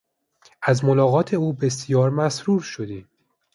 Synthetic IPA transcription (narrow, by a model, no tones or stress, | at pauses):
ʔæzmo̞lɒːɣɒːt̪ʰe̞uːbe̞sjɒːɾmæsɾuːɾʃod̪iː